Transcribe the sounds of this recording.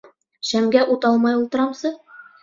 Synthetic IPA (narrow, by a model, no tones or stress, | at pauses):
ɕæmɡæʔut̪ɑlˠmɑjulˠt̪ɤ̆ɾɑmsɤ